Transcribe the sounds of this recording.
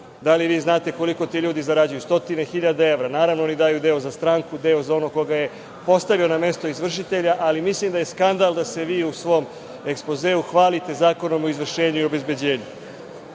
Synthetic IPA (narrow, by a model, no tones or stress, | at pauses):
d̪aliʋiːznaːt̪e̞ko̞liko̞t̪iːʎuːd̪izaɾad͡ʑujust̪o̞t̪ine̞xiʎad̪ae̞ʋɾanaːɾaʋnoonid̪aːjud̪e̞ozast̪ɾaːŋkud̪e̞ozao̞no̞ko̞ɡaje̞ | po̞st̪aʋio̞name̞st̪o̞izʋr̩ʃ̬it̪e̞ʎaʔalimislimd̪aje̞skand̪alˠd̪ase̞ʋiːusʋo̞ːm | ekspo̞ze̞ːuxʋaːlit̪e̞zaːko̞no̞moizʋr̩ʃe̞ːɲuio̞bezbe̞d͡ʑe̞ːɲu